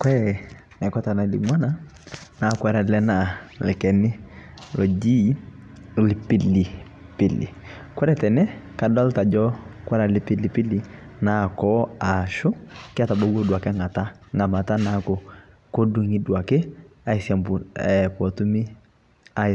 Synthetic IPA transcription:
kwɛ˦ | na˨ka˦ta˨na˨˦lḭ˨mwa˦na˨ | na˨kwɛ˨ɾa˨lɛ˦na˨lɛ˨kɛ˨nɪ˦ | lɔ˨d͡ʒi˦ | lɪ˨pɪ˦li˨ | pɪ˨lḭ˨ | kwɛ˦ɾɛ˦tɛ˨nɛ˦ka˨da˦lta˨d͡ʒɔ˦kwa˦ɾa˨lɪ˦pi˦li˨pi˦li˦na˨kɔ˦a˨ʃo˦kɪ˦a˦˨ta˨bo˦wo˦dwa˨ka˦ŋa˨ta˦ŋa˨ma˨ta˦na˨ko˨ko˦du˨ŋi˦dwa˨kɪ˦a˦i˨sja˨mbu˨ɛ˨pɔ˨tu˦mi˦ | a˦

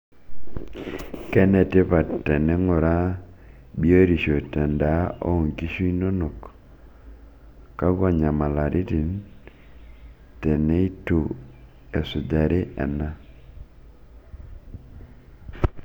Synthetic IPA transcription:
kɛ˦nɛ˨tɪ˦pa˨tɛ˨nɛ˦ŋʊ˨ɾa˦ | bi˦o˦e˦ɾi˨ʃo˨tɛ˨nda˨˦o̰˦o˨ŋki˦ʃu˦i˦no˦no˨k | kːa˦ɡwa˦˨ɲa˨ma˨la˨ɾʔi˦ti˨n | tɛ˨ne˦i˦tu˨ | e˨sʊ˨da˨ɾɪ˦ɛ̰˨na˦

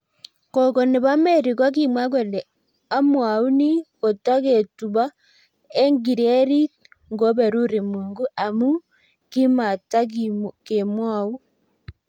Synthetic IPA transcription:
kɔ˨kɔ˨ne˨βa˦me˦˨ɾi˨kwa˦k̬i˨mwa˦ɡwe˨lɛ˨ | a˦mwa˨u˦ni˦ko˨ta˦ɣe˨tu˨βa˦ | e˦ŋɡi˨ɾe˦ɾi˦ | ŋɡo˦βɛ˨ɾu˦ɾi˨muː˨ŋɡu˦ʔa˨mu˦ | ki˦ma˨ta˦ɡimke˨mwa˦˨wu˦

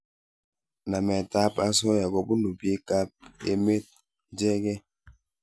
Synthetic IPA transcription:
na˨mɛ˨ta˦pa˦sɔ˦ja˨ɡɔ˨bu˦nu˨be˦ka˦p̚ḛ˦me˦t̚ | d͡ʒɛ˦ɡɛ˦

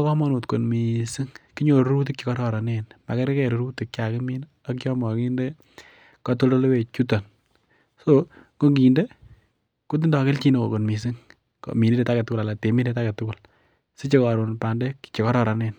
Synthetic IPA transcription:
kɔ˦mɔ˦nu˨tko˨nmi˨si˦ŋki˦ɲo˨ɾu˦ɾu˦t̬i˦k̚t͡ʃi˨kɔ˦ɾɔ˨ɾa˨ne˦nma̰˨kɛ˦ɾkɛ˨ɾuɾu˦ti˨k̚t͡ʃa˨kɪ˦mi˦n | akt͡ʃɔ˦mɔ˨ki˦nde˦ | kɔ˦to˦lo˦lwe˨t͡ʃu˦tɔ˨n | so˦ | ko˦ŋɡi˨nde˦ | ku˦t̬i˦ndɔ˨kɪ˦lt͡ʃi˦no˦ko˨ko˨nmi˨s̬i˦ŋ | ko̰˨mi˨ni˦de˨ta˦ke˨tʊ˦kʊ˨la˨la˨te˨mi˦nde˦ta˦ke˨tʊ˦kʊ˨l | si˦t͡ʃe˦kɔɾo˨npa˨ndɛ˦kt͡ʃi˨kɔ˦ɾɔ˨ɾa˨ne˦n

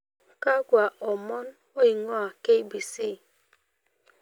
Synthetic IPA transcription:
ka˦kʷa˨ʔɔ˨mɔ˦n˦ | o˦i˨ŋɔ˦a˨ke˦i˦bi˨si˦˨

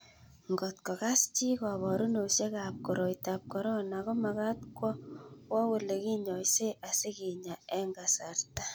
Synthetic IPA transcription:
ŋɡɔ˨tkɔ˨ka˦st͡ʃi˦kɔ˨βɔ˨ɾu˦no˨ʃe˦ka˨p̚ko˨ɾo˨jta˨p̚kɔ˨ɾɔ˦nakɔ˦maka˦tkwɔ˦wɔ˦we˦le˨ki˦ɲɔ˨jse˦ʔa˨se˦ki˨ɲa˨ɛ˦ŋɡa˨sa˨ɾta˦

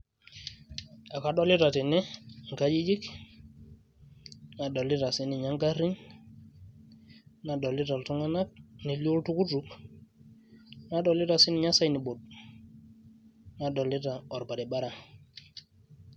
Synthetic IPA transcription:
a˨ka˨ɗo˦li˦ta˨ti˨nɛ˦ŋ˨ka˦d͡ʒi˦d͡ʒi˦k | na˨do˨li˦ta˨si˦ni˨ɲa˦ŋɡa˦ɾi˦n | na˨ɗo˨li˦ta˨ltu˦ŋa˦na˦k̚ni˨li˦o˦ltu˦ku˦tu˨˦k | na˦ɗo˨li˦ta˨si˦ni˨ɲa˦sa˦jni˨bo˨t̚ | na˨do˨li˦ta˨ɔ˨ɾpa˨di˨ɓa˦ɾa˨

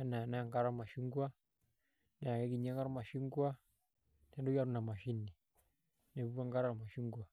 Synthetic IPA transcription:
a˦na˨na˦a˨ŋɡa˦ɾa˦ma˨ʃi˦ŋɡwa˦ | na˨kɛ˦ki˨ɲa˦ŋɡa˦ɾa˦ma˨ʃi˦ŋɡwa˦ | nɛ˨ndɔ˦ja˦ɾu˦na˨ma˨ʃi˦ni˨ | nɛ˨βu˦a˦ŋɡa˦ɾa˦ɾa˨ma˨ʃi˦ŋɡwa˨

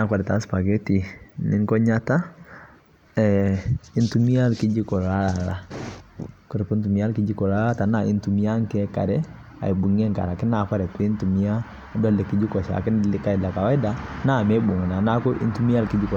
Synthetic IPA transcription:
na˨˦kwa˨ɾɛ˨ta˦spa˨ke˦ti˨nɪ˦ŋkɔ˦ɲa˦ta˦ | ɛ˨ɪ˦ntu˦mi˦a˦lkɪ˦d͡ʒɪ˦kɔ˨la˦la˨la˦ | kɔ˦ɾɛ˨pɔ˦nt̬u˨mi˦a˦lkɪ˦d͡ʒi˦kɔ˨la˦la˦ta˨na˨ɪ˨ntu˨mi˦a˦ŋ˦kɛ˦ka̰˨ɾɛ˦ | a̰˨i˨bu˨ŋɛ˦ŋka̰˨ɾa˨kɪ˦na˨kwa˦ɾɛ˨tɔ˦ɪ˦ntu˨mi˦a˦ | dɔ˦lɛ˨kɪ˦d͡ʒi˦kɔ˨ʃa̰˨kɪ˦nlɪ˦ka˦i˨la˨ka˨wa˦ɪ˦da˨na˦˨mɛ˦bu˨ŋ˨na˨na˦kʊ˦ʔɪ̰˦ntu˦mi˦a˦lkɪ˦d͡ʒɪ˦kɔ˨

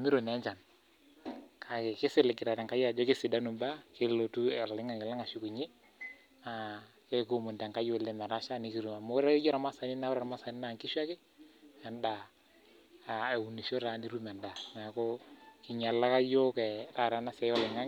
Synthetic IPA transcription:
a˨mi˦ɾo˨nɛ˨˦ɲd͡ʒa˨n | kʰa˨kɪ˨kɪ˦sɪ˦lɛ˨ɡi˨ɾa˨ɾa˨ŋka˦ja˨d͡ʒɔ˦kɪ˦si˨da˦nu˨mba˦ke˦lo˨tu˦ɛ˨llɪ˦ŋa˦˨ŋɪ˨la˦ŋa˨ʃu˨ku˨ɲe˦ | a˨ | ke˦ko˦˨mu˨nda˨ŋka˦je˨lɛ˦ma˨ɾa˦ʃa˦ni˨˦ki˨ɾu˨ma˨mo˦ɾa˦jɔ˦ɾa˨ma˦sa˨ni˦na˦wɾa˦ɾa˨ma˦sa˨ni˦na˦˨ŋki˦ʃa˦kɪ˦ | a˨nda˨ | a˨e˨u˨ni˨ʃo˦ɾa˨ni˦ɾu˦mɛ˨nda˨na˨kɔ˦ki˨ɲa˨la˦ka˦jo˦kɛ˨ɾa˨ɾa˨˦na˦sɛ˨˦jɔ˦lɪ˨ŋa˦ŋ

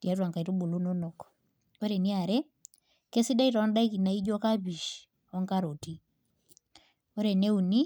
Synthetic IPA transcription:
ti˨a˦t̬wa˨ŋka˨i˨tu˦bu˨lu˦nɔ˦nɔ˨kɔ̥ | ɔ˦ɾɛ˨ni˦a˨ɾɛ˦ | kɛ˦si˦da˦i˦ta˨ɔ˦nda˦i˦ki˨na˨i˦d͡ʒɔ˦ka˦bi˨ʃ | ɔ˦ŋka˦ɾo˨ti˦ | ɔ˦ɾɛ˨nɛ˦u˨ni˦

